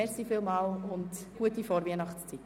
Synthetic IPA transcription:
ɛɾsifɪlmɑːlʊntɡ̥uətifoːɾviənɑχt͡st͡sit

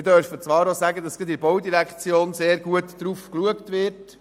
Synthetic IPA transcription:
ɪdœɾfət͡sʋɑːɾosæɡədɑsɡ̥id̪ɪɾbɔwdiɾækt͡sjoːnseːɾɡuətdɾuːfkluəktʋɪɾt

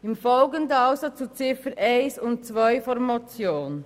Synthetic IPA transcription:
ɪmfɔlɡəndəaʊsat͡st͡sut͡sɪfənʔɛɪsʊnt̚t͡svaɪfɔɾmat͡sjoːn

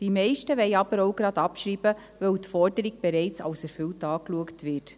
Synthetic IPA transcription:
d̥imɛɪʃtəʋɛɪɑb̥əɾoʊɡɾɑdɑpʃɾiːb̥ə | ʋœwtfɔɾdəɾiɡ̚b̥eɾɛɪt͡sɑ̰wsɛɾfʏltɑːkluəktʋɪt

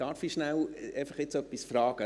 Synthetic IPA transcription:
ɑːɾfiʃnæwɛɪfɑχɪt͡sœpːisfɾɑːɡ̥ə

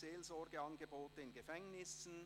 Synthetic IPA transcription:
eːlzɔɾɡəɑnɡəboːtəɪnɡəfɛŋnɪsn̩

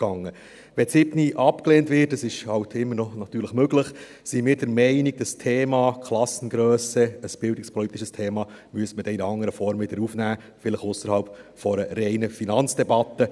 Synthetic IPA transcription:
ɡ̥ɑŋːə | ʋɛsɪbniʔɑpkleːntʋɪːt̚dəsɪʃhɑwtʰɪmːəɾnɔnɑt̪yːɾləχmøɡləχ | simɪːɾd̥əɾmɛɪnɪɡ̚d̥əstʰeːmɑːkʰlɑsən̩ɡɾøːsəəsb̥ɪldɪkspʰɔlit̪iʃəstʰeːmɑːmyəstməd̥ɛɪnɑŋːəɾəfɔɾmvɪd̪əɾufnæː | fɪləχʊsəɾhɑlpfɔɾəɾɛɪnəfinɑnt͡sd̥ɛbɑt̪ːə

